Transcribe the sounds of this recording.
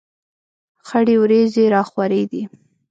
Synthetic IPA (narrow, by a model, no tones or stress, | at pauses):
xaɽewɾezeɾɑxwaɾed̪i